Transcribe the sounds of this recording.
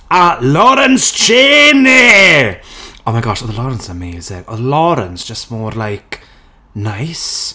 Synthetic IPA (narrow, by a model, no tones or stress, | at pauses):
alɔɾənst͡ʃʰeːne | omaɪɡɔʃɔðəlɔɾə̃nsəmeːzɪŋɔ̰ðəlɔɾə̃nsd̥ʒ̥əstmɔːɾlajk | najs